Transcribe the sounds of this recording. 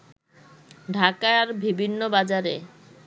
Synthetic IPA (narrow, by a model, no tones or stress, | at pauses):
ɖʱakaaɾbibʱinːobad͡ʑaɾe